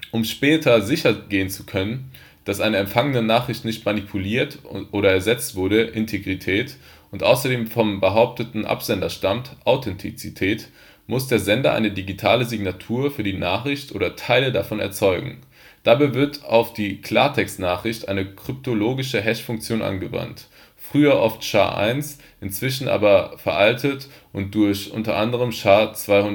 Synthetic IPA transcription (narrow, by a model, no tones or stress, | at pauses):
ʔʊmʃpɛːtʰɐzɪçɐɡeːənt͡su̥kʰœnən | d̥asʔaɪnəɛmfaŋənənaːχʁ̥ɪçtnɪçtmanipʰuliːɐtʔoːɾɐɛɐzɛt͡stv̥ʊɐɾəʔɪntʰeɡʁitʰɛːt | ʔʊntʔa̰ʊsɐdeːmfɔmbəɦaʊp̚tətn̩ʔa̰pz̥ɛndɐʃtamtʔaʊtʰɛntʰit͡sitʰɛːt | mʊsd̥eːɐzɛndɐʔa̰ɪnədiɡitʰaːləzɪɡnatʰuːɐfyːɐdiːnaːχʁ̥ɪçtʔoːɾɐtʰaɪlədafɔnɛ̰ɐt͡sɔʏɡŋ̩ | d̥abaɪvɪɐtʰaʊfd̥iːkʰl̥a̰ːɐtʰɛkstnaːχʁ̥ɪçtʔaɪnəkʁ̥ʏp̚tʰoloːɡɪʃəɦɛʃfʊŋk̚t͡sjoːnʔa̰nɡəva̰nt | fʁ̥yːɐʔɔ̰ftʃa̰ːʔa̰ɪns | ʔɪnt͡sv̥ɪʃn̩ʔa̰ːbɐfɛɐʔaltʰət | ʔʊnt̚d̥ʊɐçʔʊ̰ntɐʔandəʁ̞əmʃaːt͡sv̥aɪhʊn